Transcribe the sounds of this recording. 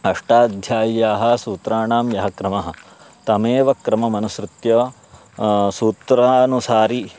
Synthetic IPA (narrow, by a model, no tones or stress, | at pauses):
ɐʂʈaːd̪ʱjaːjjaːɦɐ̆suːt̪ɾaːɳaːmjɐɦɐkɾɐmɐɦɐ̆ | t̪ɐmeːʋɐkɾɐmɐmɐnusɾɪt̪jɐː | suːt̪ɾaːnusaːɾi